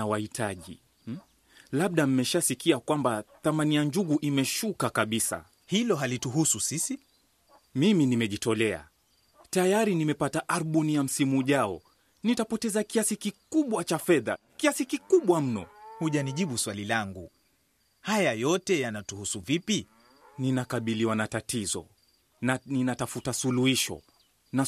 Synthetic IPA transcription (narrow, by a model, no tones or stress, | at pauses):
awahitʰaʄḭ | laɓ̚ɗam̩mɛʃasikiakwambaθamanijaɲd͡ʒuɣuʔimɛʃukakaɓisa̰ | hilɔɦalituɦususisi | miminimɛʄitɔlɛa̰ | tajaɾinimɛpataʔaɾuɓunijam̩simuːʄaɔ̰ | nitapɔtɛzakiasikikuɓwat͡ʃafɛða̰kiasikikuɓwam̩nɔ̰huʄaniʄiɓuswalilaŋɡu | hajajɔtɛjanatuhusuvipi | ninakaɓiliwanatatizɔ̰ | ninatafutasuluhiʃɔ̰ | na